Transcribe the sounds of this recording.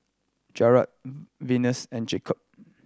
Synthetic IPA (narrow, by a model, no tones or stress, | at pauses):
d͡ʒɛɹa̰t̚vinəsɛ̃nd͡ʒekʰɔp̚